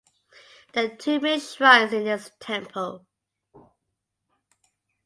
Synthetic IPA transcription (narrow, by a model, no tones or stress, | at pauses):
ðətʰʉːmɪsɹãɪzɪ̃nðɪstʰɛ̃mpʰəlˠ